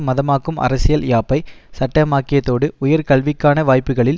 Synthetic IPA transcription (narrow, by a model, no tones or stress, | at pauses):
mɐðɐmaːkːɯmʔɐ̰ɾɐsɪjɐljaːpːɐɪsɐʈːɐmaːkːɪjɐt̪ːoːɽɯʊjɐɾkɐɭʋɪkːaːnɐʋaːjpːɯɣɐɭɪl